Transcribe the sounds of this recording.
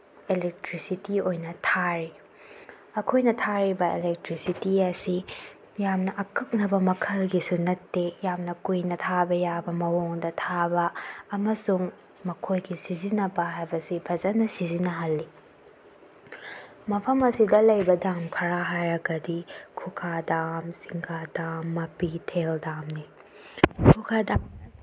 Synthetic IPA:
elek̚tɾisitiojnɐtʰaɾi | ɐkʰojnɐtʰaɾibɐelek̚tɾisitiɐsi | jamnɐʔɐkʰɐk̚nɐbɐmɐkʰɐlɡisunɐtːejamnɐkujnɐtʰabɐjabɐmɐwoŋdɐtʰabɐːmɐsuŋ | mɐkʰojɡisizinɐbɐɦajbɐsibʱɐd͡ʒɐtnɐsizinɐɦɐlːi | mɐpʰɐmɐsidɐlɐjbɐdamkʰɐɾaɦajɾɐɡɐdikʰukʰadamsiŋkʰadamːɐpitʰeldamni | kʰukʰada

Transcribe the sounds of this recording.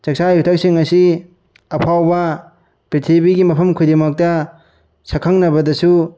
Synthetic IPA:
t͡ʃɐk̚sajutʰɐk̚siŋɐsi | ɐpʰawbɐ | pɾitʰibiɡimɐpʰɐmkʰujdemɐk̚tɐ | sɐkʰaŋnɐbɐdɐsu

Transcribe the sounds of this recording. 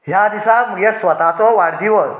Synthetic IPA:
ɦjad̪isaməɡesʋət̪at͡sɔʋaɽd̪iʋəs

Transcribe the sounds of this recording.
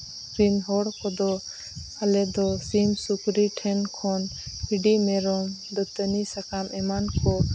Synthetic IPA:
kɾinɦɔɽkɔd̪ɔ | alɛd̪ɔsimsukɾiʈʰɛnkʰɔnhiɖimɛɾɔm | d̪ɔt̪ənisakamɛmankɔ

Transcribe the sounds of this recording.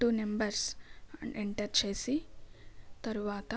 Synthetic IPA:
uːnembɐɾs | eɳʈɐɾt͡ʃeːsi | t̪ɐɾuʋaːt̪ɐ

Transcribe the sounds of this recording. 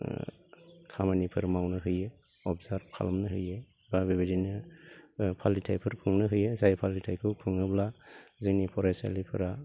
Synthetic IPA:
kʰamanipʰɯɾmawnɯɦɯjɯ | ɔpzaɾkʰa̰lmnɯɦɯjɯ | babebedinɯ | pʰalitʰajpʰɯɾkʰɯŋnɯɦɯjɯzajpʰalitʰajkʰɯwkʰɯŋɯblaziŋnipʰɔɾajsa̰lipʰɯ̰ɾa

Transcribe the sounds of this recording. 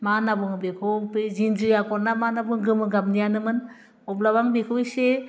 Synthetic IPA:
manabɔŋbekʰɔpezind͡ʒijakɔɾnamanabɯŋɡɯmɯɡamnijanɯmɯn | ɔblabaŋbekʰɯwise

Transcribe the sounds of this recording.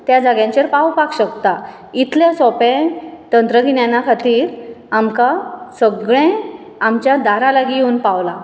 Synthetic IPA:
t̪jad͡zaɡjãɲt͡ɕeɾpawpakɕəkt̪a | it̪ʰljasɔpɛ̃t̪ənt̪ɾəɡʱiɳjanːakʰat̪iːɾamkasəɡɭẽ | amt͡ɕjad̪aɾãlaɡijeunpaʋla

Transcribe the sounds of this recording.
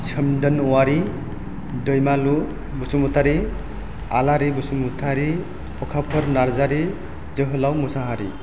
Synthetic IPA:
sʰəmdənɔwaɾi | dəjmalu | busumut̪aɾi | alaɾibusumut̪ʰaɾi | pɔkʰapʰəɾnaɾzaɾi | zəɦɯlawmusaɦaɾḭ

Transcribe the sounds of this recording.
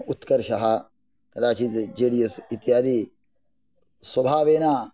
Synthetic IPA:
ut̪kɐɾʃɐɦa | kɐd̪aːt͡ʃid͡ʒeːɽijɐsit̪jaːd̪iː | swɐbʱaːʋeːnaː

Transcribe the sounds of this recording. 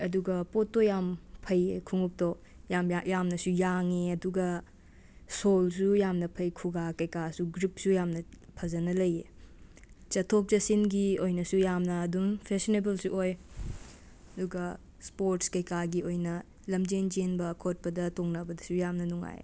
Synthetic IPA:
ɐduɡɐpotːojampʰɐjekʰuŋuk̚to | jamjamnɐsujaŋeɐduɡɐ | sols̬ujamnɐpʰɐjkʰuɡakɐjkasuɡɾip̚sujamnɐpʰɐzɐnɐlɐje | t͡ʃɐtʰok̚zɐsinɡiojnɐsujamnɐːduŋpʰesinebelsuʔoj | ɐduɡɐ | spoɾtskɐjkaɡiojnɐ | lɐmd͡ʒend͡ʒenbɐkʰot̚pɐdɐtoŋnɐbɐdɐsujamnɐnuŋa̰jḛ

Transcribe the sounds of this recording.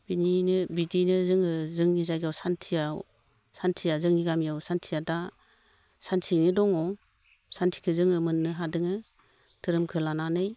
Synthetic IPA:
b̥ininɯbidinɯzɯŋɯzɯŋnizaɡawsantʰijaw | santʰijazɯŋniɡamijawsantʰijada | santʰinidɔŋɔ | santʰi̥kʰɯzɯŋɯmɯnːɯɦadɯŋɯ | tʰɯɾɯmkʰɯlananɯj

